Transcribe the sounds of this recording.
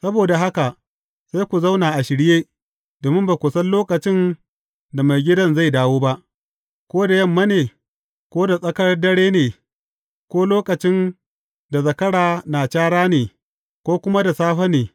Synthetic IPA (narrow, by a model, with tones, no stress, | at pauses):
sɐ˦boː˨da˨ɦa˦ka˨ʔ | sa˦jkʷu˨za˦wnaː˨ʔa˨ʃɪ˨ɽjeː˦ | d̥oː˨mɪ˦mbaː˨kʷʊ˨sɐ˦nloː˦kɐ˨t͡ʃɪ˦n | da˨ma˨jɡʲɪ˦dɐ˦nza˦˨jdaː˦woː˦ba˦ʔ | kʷoː˦da˨jɐ˦˨mːɐ˦neː˨ | kʷoː˦da˨sʼɐ˦kɐ˦ɽdɐ˦ɽeː˦neː˨ | kʷoː˦loː˦kɐ˨t͡ʃɪ˦n | da˨zɐ˨kɐ˦ɽaː˨naː˨t͡ʃaː˦ɽaː˦neː˨ | kʷoː˦kʷʊ˦ma˦da˨saː˦ɸɐ˦neː˨